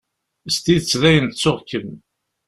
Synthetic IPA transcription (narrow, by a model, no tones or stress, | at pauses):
st̪it͡sːðæjənt͡sːʊʁkəm